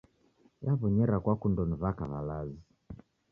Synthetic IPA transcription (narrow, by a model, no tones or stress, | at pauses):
jaβɔɲɛɾakwakundɔnivaka̰βa̰lazi